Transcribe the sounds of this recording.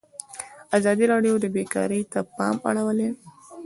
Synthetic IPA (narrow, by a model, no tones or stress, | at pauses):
azɑd̪iɾɑɖjod̪əbekɑ̰ɾəjt̪apɑ̰ma̰ɽawəle